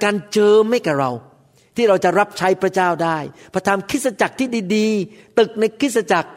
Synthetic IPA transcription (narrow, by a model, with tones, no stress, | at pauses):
kaː˧nt͡ɕɤː˧ma˥˩jkɛː˨˩ɾa˧w | t̪ʰiː˥˩ɾa˧wt͡ɕa˨˩ɾa˦˥p̚t͡ɕʰa˦˥jpʰɾa˧˥t͡ɕaː˥˩wdaː˥˩jpʰɾɔ˧t̪ʰaː˧mkʰɯ˦˥t̪̚sa˧t͡ɕa˨˩k̚t̪ʰiː˥˩diː˧diː˧ | t̪ɯ˨˩k̚na˧jkʰɾɯ˦˥˩t̚sa˧t͡ɕa˨˩k̚